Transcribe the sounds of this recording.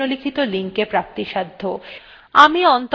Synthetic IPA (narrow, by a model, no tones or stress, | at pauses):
olikʰit̪oliŋkepɾap̚t̪iʃad̪ʱːo | amiɔnt̪